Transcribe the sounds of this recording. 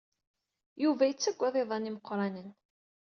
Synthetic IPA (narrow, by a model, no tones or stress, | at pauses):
juvæjət͡sːæɡʷːɑðˤeðˤɑniməqːɾˤɑnən